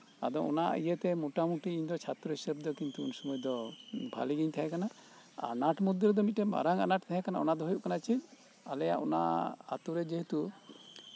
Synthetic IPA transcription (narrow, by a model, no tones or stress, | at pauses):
a̰d̪ɔɔ̰na̰ijet̪ɛmuʈamuʈiiɲd̪ɔt͡ʃʰat̪ɾɔɦisəb̚d̪ɔkint̪uṵnsɔmɔjɔd̪ɔbʱa̰liɡiɲt̪ʰaɦɛkana | a̰naʈmud̪iɾd̪ɔmit̪̚ːɛba̰ɾaŋa̰naʈt̪ʰaɦɛ̃kanaɔnad̪ɔɦɔjuʔkanat͡ʃin | alɛjaʔɔna̰a̰t̪uɾɛd͡ʒeɦet̪u